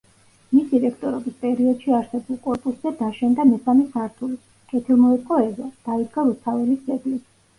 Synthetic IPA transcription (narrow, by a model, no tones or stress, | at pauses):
misd̪iɾɛkʰt̪ʼɔɾɔbispʼɛɾiɔd̪̥ʃiaɾsɛbulˠkʼɔɾpʼuszɛd̪aʃɛnd̪amɛsamisaɾt̪ʰuli | kʼɛt̪ʰilˠmɔɛt̪ʼqʼɔɛzɔd̪̥aid̪ɡaɾust̪ʰavɛlisd̪ɛɡ̪lis